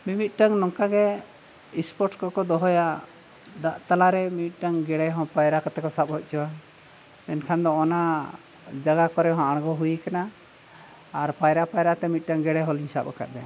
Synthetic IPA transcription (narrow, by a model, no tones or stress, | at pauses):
mimit̪̚ˀʈaŋnɔŋkaɡɛ | ispɔɾʈkɔkɔd̪ɔɦɔja | d̪aʔt̪alaɾɛmiit̪̚ˀʈaŋɡɛɽɛjɦɔ̃pajɾakat̪ɛkɔsap̚ɦɔc̚ˀt͡ʃʰɔwa | ɛnkʰand̪ɔːna | d͡ʒaɡakɔɾɛɦãʔaɽ̃ɡɔɦujikana | ɾpajɾapajɾaʔt̪ɛmit̪̚ˀʈaŋɡɛɽɛjɦɔliɲsapa̰ka̰d̪ɛ